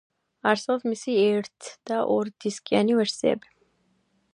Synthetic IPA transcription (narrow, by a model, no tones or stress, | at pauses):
aɾsɛɔbmisiɛɾt̪ʰd̪̥aʔɔɾd̪̥iskʼianivɛɾsiɛ̰bi